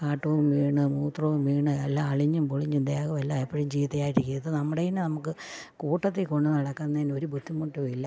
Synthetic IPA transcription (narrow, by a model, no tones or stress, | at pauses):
kaːʈːɐʋumʋiːɳɨmuːt̪rɐʋumʋiːɳɨelːaɐɭiɲːumpoɭiɲːumd̪eːɣɐʋelːaepːɐɻɐumt͡ɕijt̪ːɐjaːjiɾikʲːujɐðɨnɐmːuɽejinɨnɐmukːɨ | kuːʈːɐt̪ːilko̞ɳɖɨnɐɽɐkːanːɐðino̞ɾubʱud̪ʱːimːoʈːuɐilːɐ